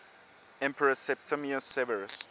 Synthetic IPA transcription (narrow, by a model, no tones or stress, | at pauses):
ɛ̃mpʰəɹəsɛp̚tʰəmiəsɛvəɹəs